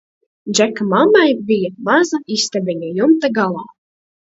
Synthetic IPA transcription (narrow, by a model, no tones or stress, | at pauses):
dd͡ʒɛkamamajbijamazaist̪abʲiɲʲajumt̪aɡalˠaː